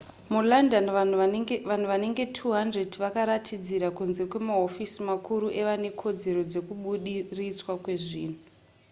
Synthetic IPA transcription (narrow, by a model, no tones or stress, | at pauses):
mulandan | an̤uʋane̞ŋɡe̞tʰuɦandre̞diʋakaɾatʰid͡ziɾakunze̞kwe̞maɦofisimakuɾuʔe̞ʋane̞kʰo̞d͡ze̞ɾo̞d͡ze̞kuɓuɗirit͡swakwe̞ʐiːn̤u